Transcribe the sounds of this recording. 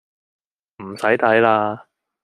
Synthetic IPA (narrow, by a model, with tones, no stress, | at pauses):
m̩˨˩sɐ˨˥jt̪ʰɐ˨˥jlaː˧